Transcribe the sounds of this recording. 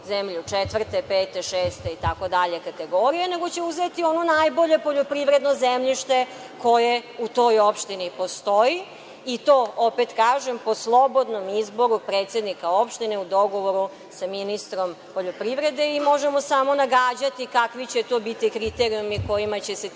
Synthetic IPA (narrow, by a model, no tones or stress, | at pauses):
zemʎut͡ʃet̪ʋr̩t̪epeːt̪e̞ʃeːst̪eit̪ako̞d̪aʎe̞kat̪e̞ɡoɾijene̞ɡo̞t͡ɕe̞uzet̪io̞nonajbo̞ʎe̞po̞ʎopɾiʋɾe̞d̪no̞zemʎiʃt̪e̞ | ko̞je̞ut̪o̞jopʃt̪inipo̞st̪oi | it̪oːʔopet̪kaːʒe̞mposlˠo̞bo̞d̪no̞mizbo̞ɾupɾeːt̪se̞d̪nikao̞pʃt̪ineud̪o̞ɡo̞ʋo̞ɾu | saminist̪ɾo̞m | poʎopɾiʋɾe̞d̪e̞imo̞ʒemo̞samo̞naɡaːd͡ʑat̪ikakʋit͡ɕe̞t̪o̞ːbit̪ikɾit̪eɾiumiko̞jimat͡ɕese